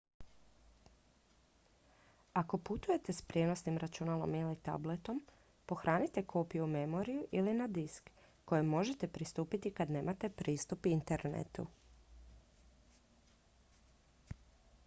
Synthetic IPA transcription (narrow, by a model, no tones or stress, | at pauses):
ako̞put̪uje̞t̪e̞spɾje̞no̞snimɾat͡ʃunaːlˠo̞̰milit̪a̰ble̞t̪o̞m | po̞xɾʔaːnit̪e̞kʰo̞ːpijuume̞mo̞ɾijuʔilinad̪iskː | o̞jemo̞ʒe̞t̪e̞pɾist̪uːpit̪ikad̪ne̞ːmat̪e̞pɾiːst̪upint̪e̞ɾnḛt̪ṵ